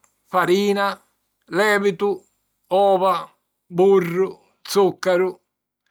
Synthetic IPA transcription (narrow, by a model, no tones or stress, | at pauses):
faɾiːna | lɛːvit̪u | ɔːva | burːʊ | t̪sukːaɾu